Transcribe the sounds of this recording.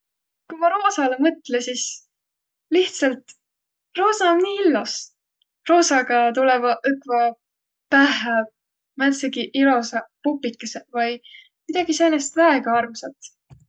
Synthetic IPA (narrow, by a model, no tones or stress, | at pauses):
kujmɑɾosɑlemɤt̪ˑlesis | liht̪sɑlt̪ | ro̞ːsɑomniːilːos | ro̞ːsɑɡɑt̪ulɛvɑʔɯkvɑ | pæhɦæ | mænt̪seɡiʔilo̞sɑpupːˑikːˑɑsevɑj | mid̪̥ɑɡ̥iseːnest̪væeɡ̥ɑɑrmsɑt̪